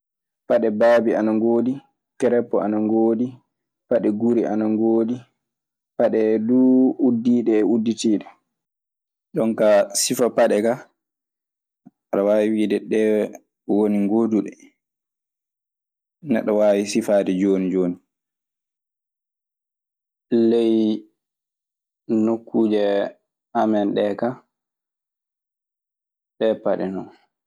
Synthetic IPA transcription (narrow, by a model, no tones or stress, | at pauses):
paɗɛbaːbianaŋɡoːdi | kɛɾɛpːɔa̰naŋɡoːdi | paɗɛɡuɾiʔa̰naŋɡoːdi | paɗɛduudːiːɗɛːudːitiːɗɛ | ɗɔnkasifapaɗɛka | aɗawaːwiwiːdɛɗɛ | woniŋɡoːduɗɛ | nɛ̰ɗːɔwaːwisifaːdɛd͡ʒoːnid͡ʒoːni | lɛj | nokːud͡ʒɛ | amɛnɗɛka | ɗɛpaɗɛ̰nɔn